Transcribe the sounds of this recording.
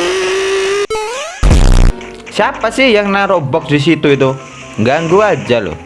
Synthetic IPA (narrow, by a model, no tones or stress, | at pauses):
siapasɪhjaŋnaɾɔbɔk̚dis̬it̪uit̪u | ŋɡaŋɡuad͡ʒalo̰